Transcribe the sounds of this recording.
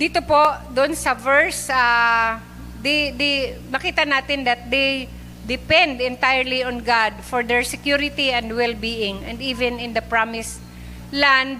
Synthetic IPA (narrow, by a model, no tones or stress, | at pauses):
d̪̥iːt̪opoʔd̪oʔonsɐvɛɹsa | d̪ɛd̪imɐkiːt̪ɐnaːt̪ɪnd̪ɐt̪̚d̪ej | d̪ɪpɛ̃nd̪ɛ̃nt̪ajəɹliɔnɡad̪fɔɹd̪ɛɹsɛkjuɾɪt̪iɛ̃nd̪wɛlbiːʔɪŋɛ̃nd̪iːvɛ̃nɪ̃nd̪ɐpɹamɪs | land̪̚